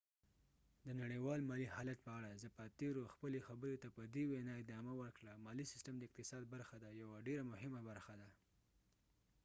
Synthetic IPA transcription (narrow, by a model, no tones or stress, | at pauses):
d̪ənaɽəwɑlmɑlihɑlat̪̚pəaɽazəpat̪eɾoxpəlexabəɾot̪apəd̪ewenɑɪd̪ɑmawəɾkɽamɑlisɪ̥stəmd̪əɪq̚t̪ɪsɑd̪̚baɾxad̪ajawaɖeɾamʊɦɪmabaɾxad̪a